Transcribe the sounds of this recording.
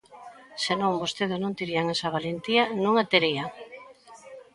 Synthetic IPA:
senõŋbost̪eðɪznõnt̪iɾiaŋesaβalent̪ianũŋat̪eɾia

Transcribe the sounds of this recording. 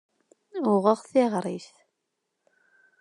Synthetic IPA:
ʊʁəʁθɪʁɾˤiθ

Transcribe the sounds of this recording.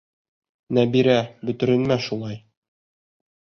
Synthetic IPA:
næbiɾæbɵ̆t̪ɘ̆ɾɘ̆nmæʃulˠɑj

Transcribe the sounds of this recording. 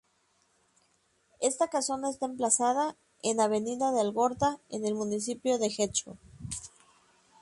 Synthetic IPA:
e̞st̪akasjo̞naes̬t̪aemplasaða | enaβe̞niðaðealɣo̞ɾt̪aene̞lmũnis̬ipjo̞ðe̞xe̞t͡ʃo̰

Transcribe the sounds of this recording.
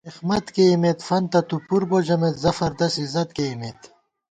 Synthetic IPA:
ixmɐt̪keimet̪fɐnt̪ɐt̪upuɾbod͡ʑɐmet̪zɐfɐɾd̪ɐsizɐt̪̚keimet̪

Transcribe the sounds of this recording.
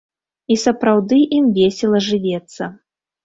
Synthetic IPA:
isɐpɾawd̪ɨʔimvʲesʲɛlˠɐʐɨvʲɛt̪sːɐ

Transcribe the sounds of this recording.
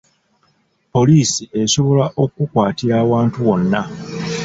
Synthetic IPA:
po̞liːsiʔe̞so̞βo̞laʔo̞kukwaːtiɾaːwaːntuwo̞nːa

